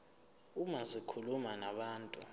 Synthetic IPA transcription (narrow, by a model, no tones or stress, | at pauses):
umazikʰulumanaɓaːntʼu